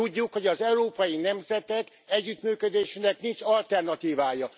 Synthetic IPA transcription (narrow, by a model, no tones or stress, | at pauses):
uɟːukho̞ɟɒzɛuɾoːpɒjinɛmzɛt̪ɛk | ɛɟːyt̪myːkød̪eːʃinɛknint͡ʃɒlt̪ɛrnɒt̪iːvaːjɒ